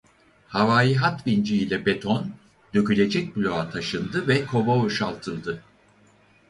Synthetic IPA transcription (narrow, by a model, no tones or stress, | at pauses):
havaːjiɦat̪bind͡ʒiːlʲɛbet̪ʰon | d̪ø̞cylʲe̞d͡ʒɛc̚blʲo̞at̪ʰaʃɯnd̪ɯvɛkʰo̞vouʃalˠt̪ʰɯlˠd̪ɯ